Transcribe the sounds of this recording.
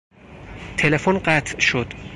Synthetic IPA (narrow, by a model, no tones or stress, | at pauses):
t̪ʰe̞le̞fonɢæt̪ʰʃod̪̥